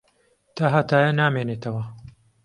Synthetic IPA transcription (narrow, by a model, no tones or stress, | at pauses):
t̪ɐɦɐt̪aːjɐnaːmeːneːt̪ʰɐwɐ